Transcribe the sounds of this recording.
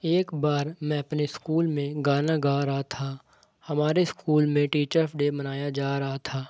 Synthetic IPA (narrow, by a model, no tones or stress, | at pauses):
eːkbaːɾmɛ̃ɐpneskuːlmẽɡaːnaɡaːɾɐɦat̪ʰa | hɐmaːɾeskuːlmẽʈiːt͡ʃəɾɔfɖemɐnaːjad͡ʒaːɾɐɦat̪ʰaː